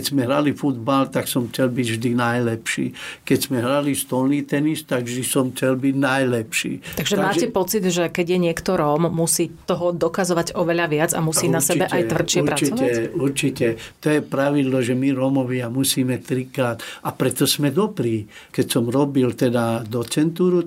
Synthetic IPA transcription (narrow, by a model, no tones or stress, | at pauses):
ɛzmɛɦɾalifud̪balt̪aksɔmxt͡sɛlbiɟvʒd̪inajlɛpʃḭːkɛɟz̥mɛɦɾalist̪ɔlniːt̪ɛnist̪aɡʒisɔmxt͡sɛlbiɟnajlɛpʃḭːt̪aɡʒɛmaːcɛpɔt͡sid̪ʒɛkɛɟjɛɲɪɛkt̪ɔɾɔmːusiːt̪ɔɦɔd̪ɔkazɔʋaɟɔʋɛʎaʋɪad͡za̰musiːnasɛbɛʔʔaj̪ʋr̩t͡ʃɪɛpɾat͡sɔɛuɾt͡ʃitɛt̪ɔjɛpɾaʋid̪lɔʒɛmiɾɔmɔʋɪamusiːmɛt̪ɾikɾaːt̪apɾɛt̪ɔsmɛd̪ɔbɾiː | kɛcsɔmɾɔbilt̪ɛd̪ad̪ɔt͡sɛnt̪uːɾu